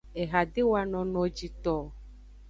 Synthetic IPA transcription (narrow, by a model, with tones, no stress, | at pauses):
ɛ˨ɣa˨ɖe˦wa˨nɔ̃˨nɔ̃˨d͡ʒi˨t̪ɔ˨